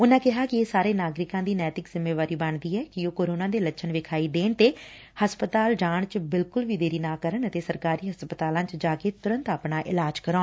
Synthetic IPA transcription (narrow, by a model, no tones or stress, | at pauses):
ʊnãːkɪɦaːkɪeːsaːɾeːnaːɡɾɪkãːd̪iːnɛːt̪ɪkzɪmːeːʋaːɾiːbəɳd̪iːɛːkɪoːkoːɾoːnãːd̪eːlət͡ʃʃʰənʋɪkʰaːiːd̪eːnt̪eː | həspət̪aːld͡ʒaːɳt͡ʃbɪlkʊlʋiːd̪eːɾiːnaːkəɾəɳət̪eːsəɾkaːɾiːɦəspət̪aːlãːt͡ʃd͡ʒaːkeːt̪ʊɾə̃nt̪aːpɳaːʔɪ̰laːd͡ʒkəɾõː